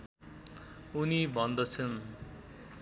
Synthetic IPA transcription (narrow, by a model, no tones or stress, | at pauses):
unibʱʌnd̪ʌt͡sʰʌn